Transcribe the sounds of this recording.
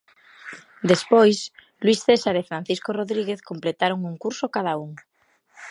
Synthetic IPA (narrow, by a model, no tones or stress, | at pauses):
d̪espojs | lwisθesaɾefɾan̟θiskoroðɾiɣeθkomplet̪aɾoŋuŋkuɾsokað̞auŋ